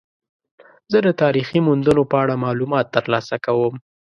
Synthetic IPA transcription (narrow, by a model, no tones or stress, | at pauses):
zəd̪ət̪ɑɾiximund̪ənopəaɽamɑlumɑt̪ːəɾlɑsakawəm